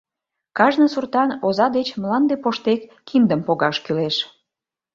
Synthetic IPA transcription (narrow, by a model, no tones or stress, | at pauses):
kɑʒnəsurt̪ɑnozɑd̪et͡ɕmlɑnd̪epoʃt̪ekːind̪əmpoɣɑʃkyleʃ